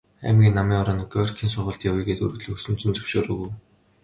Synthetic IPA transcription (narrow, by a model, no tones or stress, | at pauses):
æ̰ːmɡʲiːnːamiːŋɔɾaːnɡœrkʰiːnsʊrʁə̆ɮɬt̪jawiːɡeːt̪ɵ̰ɾɵ̆ɣt̪ɮɘ̆xɵsɵ̆m̥t͡sɵ̆nt͡sɵ̥wʃoːɾɵ̆ɣuw